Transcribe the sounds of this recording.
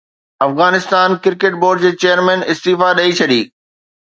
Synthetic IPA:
ɐfɣaːnɪst̪aːnkɪɾkeʈ̚boːɾɖd͡ʑeːt͡ɕejəɾmɛ̃ːnɪst̪iːfaɗɐit͡ɕʰɐɗiː

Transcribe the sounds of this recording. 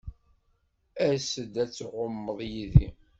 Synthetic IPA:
æsəd̪æt͡sːʁʊmːəðˤjiðḭ

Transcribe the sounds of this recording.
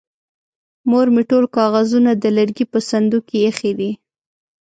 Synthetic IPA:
moɾmiʈolkɑɣazunad̪əlaɾɡipəsand̪ukejexed̪i

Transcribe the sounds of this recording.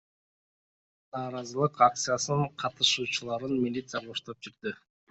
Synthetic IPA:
nɑːɾɑzɯlˠɯqak̚t̪sɨjasɯɴqʰɑt̪ɯʃuːt͡ʃulˠɑɾɯnmʲilʲit̪sɨjaʁoʃt̪op̚d͡ʒiɾd̪ɪ

